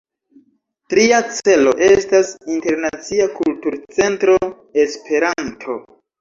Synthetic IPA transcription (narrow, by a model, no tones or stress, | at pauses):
tɾiat͡se̞lo̞̰ʔe̞stasinte̞ɾnat͡siakultuɾt͡se̞ntɾo̞ | e̞spʰe̞ɾantʰo̞